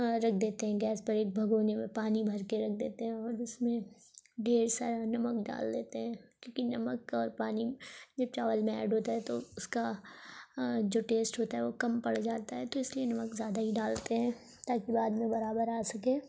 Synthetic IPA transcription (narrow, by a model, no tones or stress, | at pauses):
ɾɐk̚ʰd̪eːt̪eɦɛ̃ɡɛːspɐɾeːk̚bʱɐɡoːnemẽpaːnibʱɐɾkeɾɐk̚ʰd̪ḛːt̪eɦɛ̃ɔːɾɪsmẽ | ɖeːɾsaːɾanɐməkɖa̰ːld̪eːt̪eɦɛ̃ːkjõːkinɐməkɔːɾpaːnid͡ʒɐb̚t͡ʃaːʋəlmɛ̰ːɖʱɦoːt̪aɦɛt̪oʊska | d͡ʒoːʈeːsʈɦoːt̪aɦɛʋokɐmpɐɽd͡ʒaːt̪aɦɛt̪oɪslienɐməkzjaːd̪aɦiɖaːlt̪eɦɛ̃ː | t̪aːkibaːd̪mẽbɐɾaːbəɾaːsɐkẽː